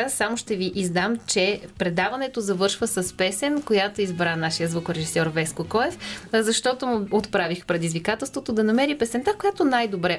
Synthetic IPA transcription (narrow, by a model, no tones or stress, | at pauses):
asamoʃt̪ɛviʔizd̪amt͡ʃɛpɾɛd̪avɐnɛt̪ozɐvɤɾʃvəsɐspɛsɛnkojat̪oizbɾanaʃijəzvukɾɛʒisɔɾvɛskokɔɛfzɐʃt̪ɔt̪omʊot̪pɾavixpɾɛd̪izvikat̪ɛlˠst̪vot̪od̪ɐnɐmɛɾipɛsɛnt̪akojat̪onajd̪obɾɛ